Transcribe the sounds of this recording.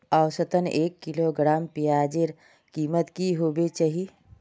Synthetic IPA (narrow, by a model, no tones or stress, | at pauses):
aʊsət̪əneːkːiloɡɾaːmpijaːd͡ʒeɾ | kiːmət̪kiɦoːbet͡ʃaɦi